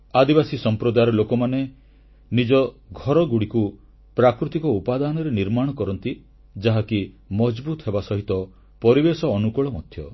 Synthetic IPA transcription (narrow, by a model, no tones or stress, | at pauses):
ad̪ibasisɔmpɾɔd̪ajɾɔlokɔmane | nid͡ʒɔɡʱɔɾɔɡuɽiku | pɾakɾut̪ikɔupad̪anɔɾeniɾmaɽ̃ɔkɔɾɔnt̪i | d͡ʒaɦaki | mɔd͡ʒbut̪ɔɦebasɔɦit̪ɔ | pɔɾibesɔːnukɔɭɔmɔd̪ʱjɔ